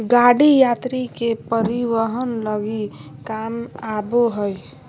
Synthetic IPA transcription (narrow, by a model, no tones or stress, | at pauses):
ɡaɽijat̪ɾikepəɾiʋəɦənləɡikamaboɦəj